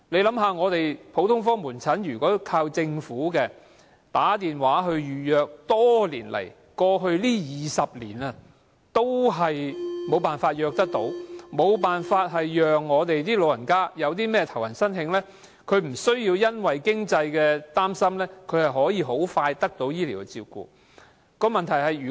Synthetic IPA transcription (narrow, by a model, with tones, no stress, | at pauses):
le˨˧jlɐ˨˥mɦaː˨˧ŋɔː˨˧t̪e˨jpʰo˨˥wt̪ʰʊ˥ŋfɔː˥muː˨˩nt͡sʰɐ˨˥njyː˨˩kɔː˨˥kʰaː˧wt͡sɪ˧ŋfuː˨˥kɛː˧ | t̪aː˨˥t̪iː˨nwaː˨˥ɦɵ˧ɥjyː˨jœː˨˧k̚t̪ɔː˥lḭː˨˩nlɐ̰˨˩j | kɔː˧ɦɵ˧ɥliː˥jiː˨sɐ˨p̚lḭː˨˩nɐː˧ | t̪o˥wɦɐ˨jmo˨˧wpaː˨nfaː˧t̚jœː˨˧k̚t̪ɐ˥k̚t̪o˨˥wmo˨˧wpaː˨nfaː˧t̚ɦɐ˨jjœː˨ŋːɔː˨˧t̪e˨jt̪iː˥lo˨˧wjɐ˨˩nkaː˥jɐ˨˧wt̪̬iː˥mɛː˥t̪ʰɐ˨˩wjɐ˨˩nsɐ˥nhɪ˧ŋlɛː˥ | kʰɵ˨˧ɥm̩˨˩sɵ˥ɥjiː˧wjɐ˥nwɐ˨jkɪ˥ŋt͡sɐ˧jkɛː˧t̪aː˥msɐ˥mlɛː˥kʰɵ˨˧ɥhɐ˨jɦɔː˨˥jiː˨˧ɦo˨˥wfaː˧jt̪ɐ˥k̚t̪o˨˥wjiː˥li˨˩wkɛ˧t͡siː˧wkṵː˨˧ | kɔː˧mɐ˨nt̪ʰɐ˨˩jɦɐ˨jyː˨˩